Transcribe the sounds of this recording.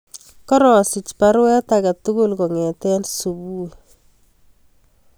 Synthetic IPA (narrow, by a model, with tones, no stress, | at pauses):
kɔ˦ɾɔ˨si˨t͡ʃpa˦ɾwɛ˦t̪a˨ka˨tu˦kʊ˦˨lkɔ˨ŋɛ˨t̪ɛ˦nsu˨buː˦